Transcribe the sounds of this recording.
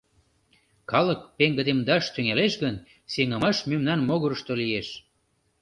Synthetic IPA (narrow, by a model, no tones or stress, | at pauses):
kɑlək̚peŋɡəd̪emd̪ɑʃt̪yŋeleʃɣən | seŋəmɑʃmymnɑnmoɣəɾəʃt̪olijeʃ